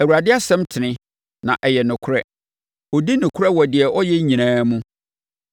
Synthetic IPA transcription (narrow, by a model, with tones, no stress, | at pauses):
æ˨wu˨ɾa˨dɪ˦a˦sɛ̃˦mtʰɪ˨nɪ̃˦ | nã˨ʔɛ˨jɛ˨nʊ̃˨kʰʊ˦ɾɛ˦ | ɔ˨di˦nʊ̃˨kʰʊ˦ɾɛ˦wɔ˨dɪ˨ɛ˨ʔɔ˦jɛ˦ɲĩ˨nãː˦mũ˦